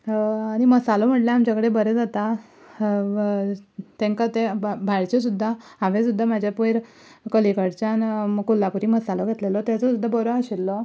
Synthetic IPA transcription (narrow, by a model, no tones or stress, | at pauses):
aɽ̃iməsalɔm̤əʈljaamt͡ɕakəɽebəɾed͡zat̪a | t̪ẽŋkat̪ebʱaɾt͡ɕes̬ud̪ʱːaaʋesud̪ʱːamad͡ʑʱjapujɾ | kəlikəɽt͡ɕankulːapuɾiːməsalɔɡʱet̪lelɔt̪jat͡sɔsud̪ʱːabɔɾɔaɕilːɔ